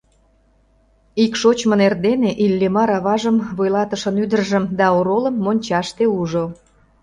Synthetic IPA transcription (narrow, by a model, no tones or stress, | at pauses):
ikʃot͡ɕmŏnerd̪eneʔilʲːemɑɾɑβɑʒəmβojlɑt̪əʃənyd̪ərʒəmd̪ɑoɾolə̆mːonʲt͡ɕɑʃt̪euʒo